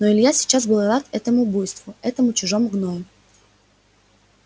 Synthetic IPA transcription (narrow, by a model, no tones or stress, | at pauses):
noɪlʲjasʲɪ̥t͡ɕazbəlˠɐd̪at̪ɛt̪əmʊbojst̪vʊɛt̪əmʊt͡ɕʊʐomɡnomʲ